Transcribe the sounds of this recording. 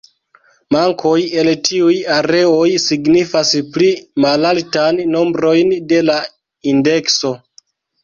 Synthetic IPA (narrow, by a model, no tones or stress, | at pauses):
maŋkʰo̞je̞ltʰiujaɾe̞o̞jsiɡnifasplimalaltanːo̞mbɾo̞jnde̞la | inde̞kso̞